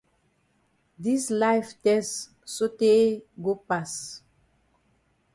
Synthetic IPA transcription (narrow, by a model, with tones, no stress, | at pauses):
di˦slajftɛst | so˦te˦eɡo˦pas